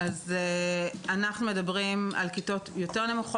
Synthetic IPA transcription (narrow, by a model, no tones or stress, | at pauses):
azeanaχnume̞dabʁima̰lkito̞t̪jo̞teʁnemuχ